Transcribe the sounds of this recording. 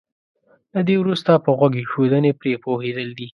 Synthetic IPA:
lad̪ewɾust̪apəɣwaɡexod̪ənepɾepohed̪əld̪i

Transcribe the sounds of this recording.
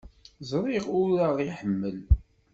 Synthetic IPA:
zɾˤiʁʊɾaʁiħəmːəl

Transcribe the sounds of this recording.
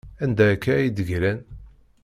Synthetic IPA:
ænd̪ækːæjid̪əʝɾæn

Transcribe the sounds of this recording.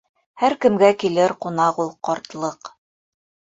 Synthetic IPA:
hæɾkɘ̆mɡækilɘɾqunɑqulˠqɑɾt̪lˠɤq

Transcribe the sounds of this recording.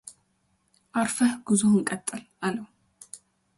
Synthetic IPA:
ʔaɾfəhɡ̥ɨzohɨŋkʼɐt̪ʼːɨl | aləw

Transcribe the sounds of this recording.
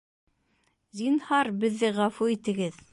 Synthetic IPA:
zinhɑɾbɘ̆ðːɘʁɑfuit̪ɘ̆ɡɘð

